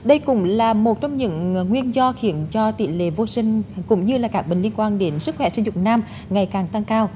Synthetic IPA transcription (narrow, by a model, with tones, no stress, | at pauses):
ɗə˧jkʊ̰˧˥ŋ͡mlaː˨˩mo˨˩t̚t͡ɕɔ˧wŋ͡mɲɨ̰˧˥ŋŋwi˧ənzɔ˧xi˧˩˦ənt͡ɕɔ˧t̪ḭ˧˨lḛ˧˨vo˧sï˧ŋ̟kʊ̰˧˥ŋ͡mɲɨ˧laː˨˩kaː˦˥k̚ɓï˨˩ŋ̟li˧ənkwaː˧nɗe˨˦nsɨ˦˥k̚xwɛ̰˧˩˦sï˧ŋzʊ̰˨˩ŋ͡mnaː˧m | ŋa˨˩jkaː˨˩ŋt̪a˧ŋkaː˧w